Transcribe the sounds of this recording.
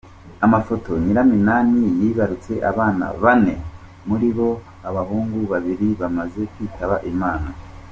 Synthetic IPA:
amafo̞to̞ɲiɾaminaːnijiːβaɾut͡se̞ʔa̰βaːna̰βane̞ | muɾiβo̞ | aβahuːŋɡuβaβiɾiβamaze̞kwiːtaβaʔimaːna

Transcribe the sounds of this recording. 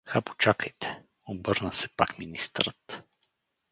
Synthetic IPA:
xapo̥t͡ʃakəjt̪ɛ̥ | obɤɾnəsɛpakminist̪ɾət̪

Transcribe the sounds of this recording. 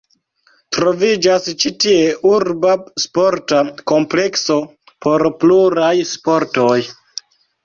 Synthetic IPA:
tɾo̞vid͡ʒast͡ʃitie̞ʔuɾbaspo̞ɾtako̞mple̞kso̞ | po̞ɾpluɾajspo̞ɾto̞j

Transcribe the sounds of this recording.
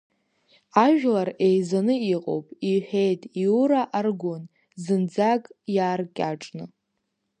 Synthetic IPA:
aʒᶣlarejzanɨiqʼo̞̰wpʼiħᶣejtʼiuɾaʔarɡʷon | zɨnd͡zakʼjaːrkʲʼaʈ͡ʂʼnɨ

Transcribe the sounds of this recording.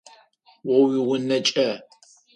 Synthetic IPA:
wɔwiwʊnɐt͡ʃʼɐ

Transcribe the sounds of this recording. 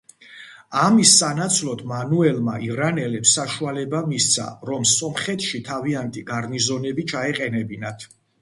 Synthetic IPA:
amisːanat̪sʰlɔt̪ʰmanuɛlma̰ʔivɾanɛlɛpsːaʃualɛbamist̪sʰa̰ɾɔmsɔmχɛt̪ʰʃit̪ʰaviant̪ʼiɡaɾnizɔnɛbit͡ʃʰaɛqʼɛnɛbinat̪ʰ

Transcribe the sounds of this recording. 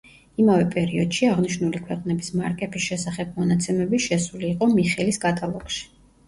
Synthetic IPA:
imavɛpʼɛɾiɔd̪̥ʃiaʁniʃnulikʰwɛqʼnɛbismaɾkʼɛpʰisʃɛsaχɛb̚mɔnat̪sʰɛmɛbiʃɛsuliːqʼɔmiχɛliskʼat̪ʼalˠɔkʃi̥

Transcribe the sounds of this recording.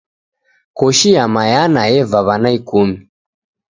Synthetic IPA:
kɔʃiamajanaɛvaβanaikumi

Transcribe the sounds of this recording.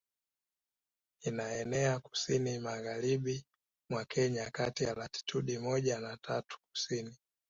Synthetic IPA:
inaɛnɛaku̥sinimaɣaɾiɓi | mwakʰɛɲakatialati̥tʰuɗimɔʄanatʰatu̥k̚u̥sini

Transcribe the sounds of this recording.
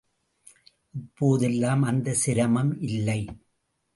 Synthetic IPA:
ʔɪpːoːðɛlːaːmɐnd̪ɐsɪɾɐmɐmʔɪlːɐɪ

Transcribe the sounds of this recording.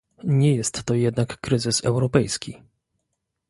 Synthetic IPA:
ɲɛjɛst̪ːɔjɛd̪nakːɾɘzɘsɛ̰wɾɔpɛjskʲi

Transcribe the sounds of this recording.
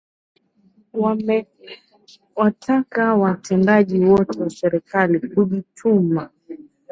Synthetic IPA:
wamɛ | watʰakawatʰɛndaʄiwɔtɛwasɛɾikalikuɗitʰuma

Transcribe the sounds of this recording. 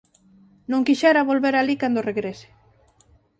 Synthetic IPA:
nõŋkiʃɛɾaβolβeɾalikand̪oreɣɾesɪ̥

